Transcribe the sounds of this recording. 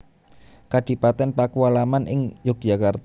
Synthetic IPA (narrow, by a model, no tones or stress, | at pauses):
kaɖ̪̥i̤pat̪ɛnpakualamanʔɪŋd͡ʒɔk̚d̥ʒ̥akart̪